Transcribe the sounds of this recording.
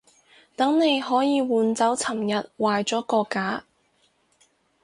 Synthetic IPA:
t̪ɐ˨˥ŋne˨˧jɦɔː˨˥jiː˨˧wuː˨˧nt͡sɐ˨˥wt͡sʰɐ˨˩mjɐ˨t̚waː˨jt͡ʃɔː˨˥kɔː˧kːaː˨˥

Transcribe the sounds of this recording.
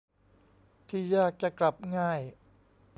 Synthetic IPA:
t̪ʰiː˥˩jaː˥˩k̚t͡ɕa˨˩kla˨˩p̚ŋaː˥˩j

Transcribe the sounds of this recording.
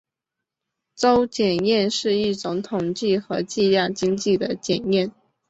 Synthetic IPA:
t͡so˥ʊt͡ɕjɛ˨˩njɛ˥˧nʂɻ̩˥˧i˥˩ʈ͡ʂʊ˧˥ŋt̪ʰʊ˨˩ŋt͡ɕi˥˩xɤ˧˥t͡ɕi˥˧ljɑ˥˩ŋt͡ɕi˥ŋt͡ɕi˥˩d̪ə˩t͡ɕjɛ˨˩njɛ˥˩n

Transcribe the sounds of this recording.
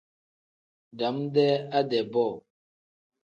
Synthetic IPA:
da˨˦mdɛ˦a˦dɛ˨bɔ˦˨

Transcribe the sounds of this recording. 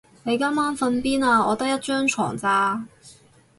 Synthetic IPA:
ne˨˧jka˥mːaː˥nfɐ˧npiː˥naː˧ɔː˨˧t̪ɐ˥k̚jɐ˥t̚t͡ʃœː˥ŋt͡ʃʰɔ̰ː˨˩ŋt͡saː˧

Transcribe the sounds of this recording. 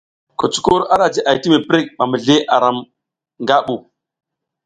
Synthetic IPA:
ko˨t͡ʃu̥˦ko˦ɾa˦ɾa˨d͡ʒi˦ʔa˨jti˦me˨pɾi˦k̚ɓa˨mə˨ɮe˦ʔa˨ɾa˨m | ŋɡa˦ɓu˨

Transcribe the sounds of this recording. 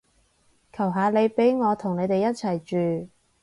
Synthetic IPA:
kʰɐ˨˩wɦaː˨˧le˨˧jpe˨˥jŋɔː˨˧t̪ʰʊ˨˩ŋne˨˧jt̪e˨jɐ˥t̚t͡sʰɐ˨˩jt͡ʃyː˨

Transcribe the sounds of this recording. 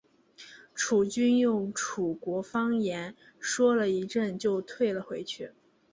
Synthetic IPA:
ʈ͡ʂʰu˨˩t͡ɕy˥njʊ˥˩ŋʈ͡ʂʰu˨˩kwɔ˧˥fɑ˥ŋjɛ˧˥n | ʂwɔ˥lə˨i˧˥ʈ͡ʂə˥˧˩nt͡ɕjo˥˧ʊt̪ʰwe˥˩ɪlə˩xwe˧˥ɪt͡ɕʰy˥˩

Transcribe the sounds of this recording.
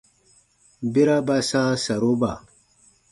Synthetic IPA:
bi˦ɾa˦ba˦sã˦sa˨ɾo˦ba˨

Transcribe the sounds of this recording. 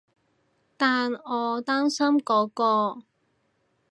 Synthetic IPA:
t̪aː˨nɔː˨˧t̪aː˥msɐ˥mkɔː˨˥kɔː˧

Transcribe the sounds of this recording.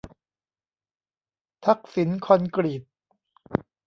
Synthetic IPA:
t̪ʰa˦˥k̚si˩˦nkʰɔ˧nkɾi˨˩t̪̚

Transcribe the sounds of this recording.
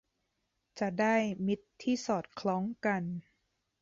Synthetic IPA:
t͡ɕa˨˩ʔdaː˥˩jmi˦˥t̪ʰːiː˥˩sɔː˨˩t̪̚kʰlɔː˦˥ŋka˧n

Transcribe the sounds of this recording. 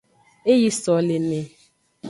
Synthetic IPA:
e˦ji˦sɔ˨le˨me˨

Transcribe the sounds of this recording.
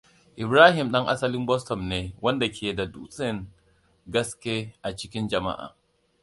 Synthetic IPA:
ʔi˨bɾaː˦ɦi˨mɗɐ˦ŋʔa̰˦sa˦li˦mbɔ˦stɔ˨mneː˨˦wɐ˦nda˨kʰʲe˨da˨dṵ˦sʼɛ˦˨n | ɡɐ˦skʲe˦ʔa˨t͡ʃi˦kʲi˦nd͡ʒɐ˨ma̰˦ʔa̰˨

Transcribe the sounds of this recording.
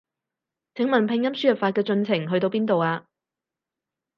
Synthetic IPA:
t͡sʰɪ˨˥ŋmɐ˨˩npʰɪ˧ŋjɐ˥msyː˥jɐ˨p̚faː˧t̚kɛː˧t͡sɵ˧nt͡sʰɪ˨˩ŋɦɵ˧ɥt̪o˧wpiː˥nt̪o˨waː˧

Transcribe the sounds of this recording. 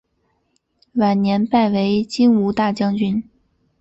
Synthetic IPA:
wa˨˩nnjɛ˧˥npa˥˩ɪwe˧˥ɪt͡ɕi˥nu˧˥t̪a˥˩t͡ɕjɑ˥ŋt͡ɕy˥n

